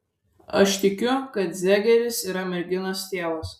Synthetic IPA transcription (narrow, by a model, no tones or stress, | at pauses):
ɐ̰ʃt̪ʲɪkʲʊkɐt̪zʲæːɡʲɛɾʲɪsiːɾɐmʲɛɾʲɡʲɪnɐst̪ʲeːʋɐs